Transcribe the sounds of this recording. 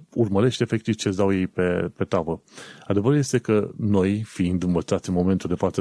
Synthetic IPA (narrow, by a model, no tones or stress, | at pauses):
urməɾe̞ʃt̪ʲe̞fe̞k̚t̪iv̥t͡ʃe̞sʲd̪awje̞jpe̞pe̞t̪avəad̪e̞vəɾulje̞st̪e̞kəno̞jfiind̪ɨnvət̪sat̪sʲɨnmo̞ment̪uld̪efat̪sə